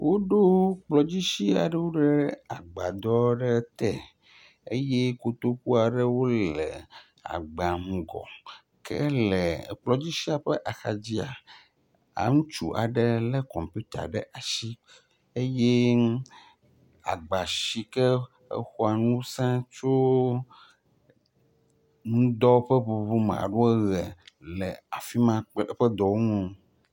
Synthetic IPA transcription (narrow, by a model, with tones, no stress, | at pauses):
wʔo˦ɖo˦k͡plɔ˨d͡ʑi˦ʃi˦a̰˨ɖɛ˦wo˦ɖe˦a˨ɡ͡ba˨d̪ɔ˦ɖɛ˦t̪ɛ˦˨ | e˦je˦ko˨t̪o˦ku˦a˨ɖe˦wo˦lɛ̰˨ | a̰˨ɡ͡ba˨m̩˨ɡɔ̰˨ | kʰɛ̰˦lɛ˨k͡plɔ˨d͡ʑi˦ʃi˦a˨ɸe˦ʔa˨xa˨d͡ʑi˦a˨ | a̰˨ŋũ˦t͡ʃṵ˨ʔa̰˨ɖɛ˦lɛ˦kɔ˨mpu˦t̪a̰˨ɖɛ˦ʔa˨ʃi˦ | e˦je˦ | a̰˨ɡ͡ba˨ʃi˦kɛ˦ | ḛ˦xo˦a˨nũ˦sã˦t͡ʃo˦ | nũ˦d̪ɔ˦ɸɛ˦ɸu˨bu˦m̰̃˨a̰˨ɖo˦ɛ˦ɣɛ˨lɛ˨a˨fi˦mã˨k͡pɸɛ˦d̪ɔ˨wo˦ŋũ˨